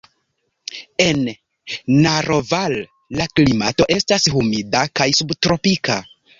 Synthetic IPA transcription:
e̞nː | aɾo̞valː | aklimato̞ʔe̞stashumidakajsubtɾo̞pika

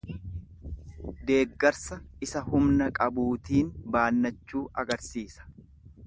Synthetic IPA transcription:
d̪e̞ːɡːɐɾsɐɪsɐhʊmnɐkʼɐbuːt̪iːnbaːnːɐt͡ʃːuːʔɐɡɐɾsiːsɐ̥

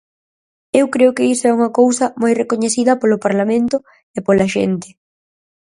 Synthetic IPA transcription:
ewkɾeʊkɪisʊɛuŋɐkowsɐmojrekoɲeθiðɐpolʊpaɾlamẽnt̪ʊ | epolɐʃḛnt̪ɪ̥

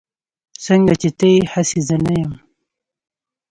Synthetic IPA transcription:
səŋɡat͡ʃet̪əjhasezənajəm

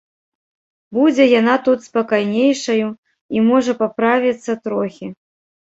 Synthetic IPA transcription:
bud͡zʲɛjan̪at̪ut̪spakajnʲejʂɐju | imɔʐɐpapɾavʲit̪sːɐt̪ɾɔxʲi

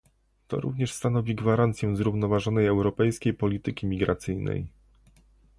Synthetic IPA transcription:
t̪ɔ̰ɾṵvɲɛʂst̪anɔvʲiɡvaɾant̪sʲjɛw̃zɾuvnɔvaʐɔnɛjɛwɾɔpɛjskʲejpɔlʲit̪ɘkʲimʲiɡɾat̪sɘjnɛ̰j

